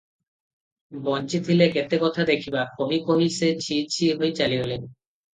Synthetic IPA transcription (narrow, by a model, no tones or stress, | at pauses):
bɔnt͡ɕid̪ʱileket̪ekɔt̪ʰad̪ekʰibakʰoɦikomiset͡ɕʰit͡ɕʰiɦojt͡ɕaliolen